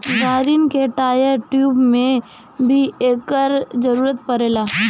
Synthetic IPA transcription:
ɡaːɾinkeʈaːjəɾʈjuːbmẽ | bʱieːkːəɾd͡ʒɐɾuːɾət̪pɐɾeːlaː

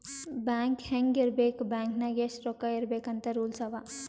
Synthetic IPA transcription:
baːŋkhɛŋɡiɾbeːkbaːŋknaɡesɾoːkaiɾbeːkɐnt̪ɐɾuːlsɐʋa

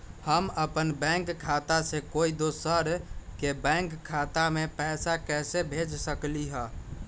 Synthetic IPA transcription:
həməpənbɛ̃ŋkkʰːat̪asekoid̪osəɾkebɛ̃ŋkʰːat̪amepɛsakɛsebʱed͡ʒsəkliɦə

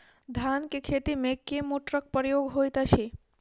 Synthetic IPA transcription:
d̪ʱankekʰet̪imẽkemoʈɾək̚pəɾjoɡɦojt̪əʃʰe

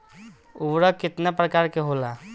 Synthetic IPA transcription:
ʊbɾəkɪt̪napɾəkaːɾkeɦolaː

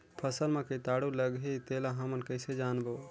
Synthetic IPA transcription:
pʰəsəlmẽket̪aːɽuləɡɦet̪elaɦəmənkəɪsed͡ʒaːnbo

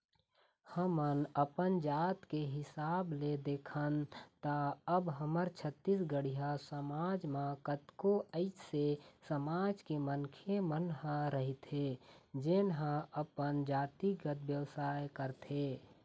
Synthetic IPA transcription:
həmənəpənd͡ʒaːt̪keɦɪsaːbled̪eːkʰənt̪aəbɦəməɾt͡ʃʰət̪ːisɡəɽiɦasəmaːd͡ʒmãkət̪koəɪt͡ʃʰsesəmaːd͡ʒkemənkʰemənɦãɾəɦit̪ɦed͡ʒenɦãəpənd͡ʒaːt̪iɡət̪bjəwsaːjkəɾt̪eː

